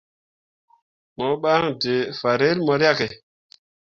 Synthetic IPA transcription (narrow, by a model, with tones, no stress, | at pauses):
mɔ˨˦ɓa˦ŋde˨fa˨ɾe˦lmɔ˨ɾja˦ke˨